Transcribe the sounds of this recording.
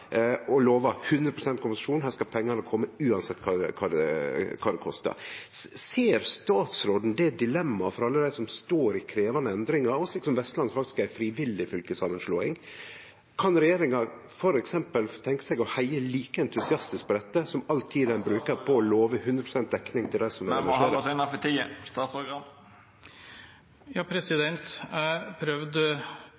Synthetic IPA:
ɔloːʋɑhʉnd̪ɾəpʰɾʊsɛnt̪̚kʰʊmpnsɑʂuːnhæːskɑpʰɛŋːɑnəkʰɔmːəʉːɑnsɛt̪ːkʰɑɛkʰɑːd̪ɛ̰kʰɑːd̪ɛkʰɔst̪ə̰ɾseːɾst̪ɑːt̪sɾoːd̪n̩d̪ɛd̪ɪlɛmːɑfɔɾɑlːəd̪æɪsɔmst̪oːɾɪkʰɾeːʋɑnəɛnd̪ɾɪŋɑɾɔsliːksɔmʋɛst̪lɑnsfɑkt̪ɪ̥skæɪfɾiːʋɪlːɪfʏlkəsɑmənʂloːɪ̰ŋ | kʰɑnɾɛjeːɾɪŋɑ | fɔɾɛksɛmpəlt̪ʰɛŋkə̥sɛɡɔhæɪəliːkəɛnt̪ʰʉsɪɑst̪ɪsk̚pʰɔd̪ɛt̪ːəsɔmɑlt̪ʰiːd̪æɪnbɾʉːkəɾpʰɔɔloːʋəhʉnd̪ɾəpʰɾʊ̥sɛnt̪̚d̪ɛknɪŋt̪ʰɪld̪æɪsɔmʋɛɛnʃeːɾɛnɑfət̪ʰiːəst̪ɑːt̪sɔɾɡɑn | jɑːpʰɾɛsɪd̪ɛnt̪pʰɾœʋd̪ə

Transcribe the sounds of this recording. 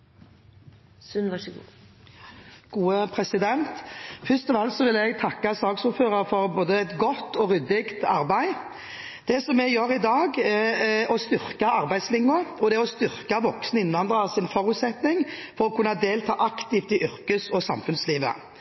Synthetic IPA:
sʉnʋɑʂəɡṵː | ɡ̥uːəpʰɾɛsɪd̪ɛnt̪fʏst̪ɔʋɛlt̪sɔʋɪlɛɡt̪ʰɑkːɑsɑːksuːɾføːɾəɾfɔɾboːd̪əɛt̪ɡɔt̪ːɔɾʏd̪ɪɡt̪ɑɾbæɪ | d̪̥ɛsɔmːɛɡjøːɾɪd̪ɑːɡɛɔst̪ʏʁkɑʔɑʁbæɪd̪slɪŋːʊɔd̪ɛɔst̪ʏʁkɑʋɔksnɪnʋɑnd̪ɾəsɪnfɔɾʉːt̪sɛt̪nɪŋfɔɾɔkʰʉnːɑd̪eːlt̪ʰɑːʔɑkt̪ɪːft̪ɪʔʏɾkəsɔsɑmfʉnsliːʋə̰

